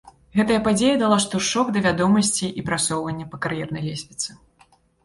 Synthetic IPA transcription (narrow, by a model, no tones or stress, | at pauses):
ɣɛt̪ɐjɐpad͡zʲejɐd̪alˠaʂt̪uʂɔɡd̪ɐvʲad̪ɔmɐsʲt͡sʲiʔipɾat̪sɔwvɐnʲːɐpɐkaɾjɛrnɐjlʲesʲmʲit̪sɨ